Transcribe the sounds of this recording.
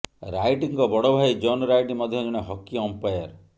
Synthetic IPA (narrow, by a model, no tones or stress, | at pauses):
ɾajʈiŋkɔbɔɽɔbʱajd͡ʒɔnɔɾajʈimɔd̪ʱjɔd͡ʒɔɽ̃eɦɔkːiɔmpajɔɾ